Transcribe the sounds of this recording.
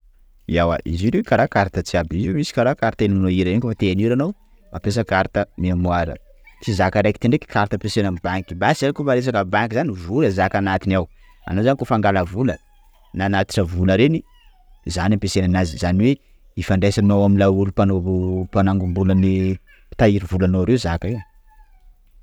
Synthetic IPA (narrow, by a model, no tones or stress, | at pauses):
iawa̰ʔḭziɾekaɾakaɾit̪ət͡siabizmisi̥kaɾakaɾit̪enanoiɾaenikofat̪eaniɾanow | apes̬əkaɾit̪əmiamuaɾə̰ | t̪izakaɾajki̥t̪eɳɖ͡ʐeki̥kʰaɾt̪əpesenamibaŋkibasankumaɾes̬akabaŋkizanivuɾazakanat̪inaw | a̰nozanikofaŋɡaləvulə | nanat̪i̥ʈ͡ʂəvuləɾeni | zanampesenanazizaniwe | ifaɳɖ͡ʐesanawamilaulupanoupanaŋɡumbuləni | t̪aiɾivulanoaɾezakaiw